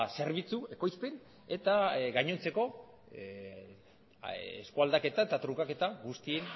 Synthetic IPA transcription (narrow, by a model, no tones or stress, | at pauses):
se̞ɾβit͡sue̞ko̞jspen | e̞t̪aɡajɲo̞nt͡se̞ko̞ | ḛskuald̪ake̞t̪aet̪at̪ɾukake̞t̪aɣust̪ien